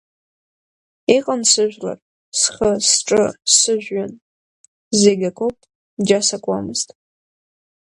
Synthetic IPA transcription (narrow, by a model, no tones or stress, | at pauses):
iqʼənsɨʒʷᶣla̰r | sχəsʈ͡ʂʼɨsɨʒᶣɥan | zeɡʲakʷʰopʼ | d͡ʒasakʷʼamɨztʼ